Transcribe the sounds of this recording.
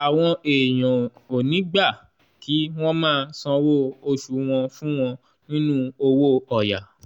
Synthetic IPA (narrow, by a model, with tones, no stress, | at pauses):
a˨w̃ɔ̃˧e˨j̃ɔ̃˨o˨nĩ˨˦ɡ͡ba˦˨ | ki˨˦w̃ɔ̃˦mãː˦˧sɔ̃˧wo˦o˧ʃu˨˦w̃ɔ̃˧fũ˦w̃ɔ̃˧ | nĩ˦nũ˦o˧wo˦ɔ˨ja˨